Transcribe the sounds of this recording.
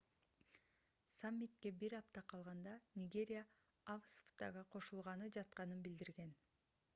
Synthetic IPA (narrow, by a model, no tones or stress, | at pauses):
samʲːit̪ke̞biɾɑp̚t̪ɑqʰɑlˠʁɑnd̪ɑnʲɪɡʲe̞ɾʲja | avsft̪ɑʁɑqʰo̞ʃulˠʁɑnɯd͡ʒɑt̪̚qɑnɯnbild̪iɾɡe̞n